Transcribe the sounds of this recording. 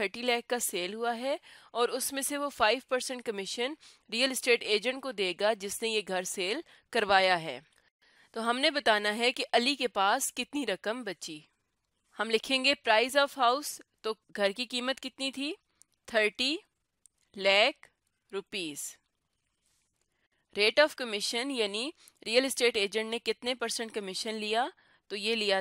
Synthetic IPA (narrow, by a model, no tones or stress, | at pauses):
t̪ʰəɾʈilɛːkːaseːlɦuaɦɛɔːɾʊsmẽseʋofaːɪʋpɐɾsə̃ɳʈ̚kɐmɪʃən | ɾiːəlɪsʈeːʈeːd͡ʒə̃ɳʈ̚kod̪eːɡad͡ʒɪsnejeɡʱɐɾseːl | kɐɾʋaːjaɦɛ̰ː | t̪oɦɐmnebɐt̪aːnaɦɛkiʔɐlikepaːskɪt̪niɾɐkəmbɐtːt͡ʃi | hɐmlɪkʰẽːŋɡepɾaːɪzɔːfɦaʊst̪o | ɡʱɐɾkikiːmət̪kɪt̪nit̪ʰiː | t̪ʰəɾʈi | lɛːk | ɾʊpiːz | ɾeːʈɔːfkɐmɪʃənjaːni | ɾijəlɪsʈeːʈeːd͡ʒə̃ɳʈnẽkɪt̪nepɐɾsə̃ɳʈ̚kɐmɪʃənlija | t̪ojelija